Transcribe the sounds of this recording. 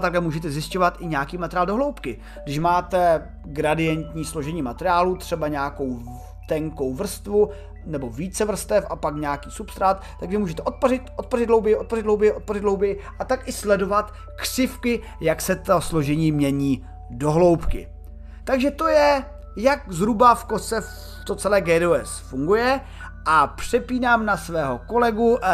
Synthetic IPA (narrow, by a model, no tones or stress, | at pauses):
t̪aklɛmuːʒɛt̪ɛzjɪsco̞vat̪ɪɲaːkiːmat̪ɛɾɪjaːldoɦlowpkɪ | ɡdɪʃmaːt̪ɛ | ɡɾadɪjɛnt̪ɲiːslo̞ʒɛɲiːmat̪ɛɾɪaːlut̪r̝̥ɛbaɲaːko̞w | t̪ɛŋko̞wvr̩st̪vu | nɛbo̞viːt͡sɛvr̩st̪ɛfʔapakɲaːkiːsupst̪ɾat̪ːaɡvɪmuːʒɛt̪ɛʔot̪̚porɪt̪ʔo̞t̪̚porɪd̪dlo̞wbɪjʔot̪̚porɪd̪ɦlo̞wbɪjʔo̞t̪̚porɪd̪ɦlowbɪjɪʔat̪akɪslɛdo̞vat̪ | kr̝̥ɪfkɪ | jaksɛt̪oslo̞ʒɛɲiːmɲɛɲiː | do̞ɦlo̞wpkɪ̰ | t̪aɡʒɛt̪o̞jɛ | jakzɦɾubafkosɛf | t̪ot͡sɛlɛːɡɛːduːɛsfuŋɡujɛ | ʔapr̥ɛpiːnaːmnasvɛːɦo̞ko̞lɛɡu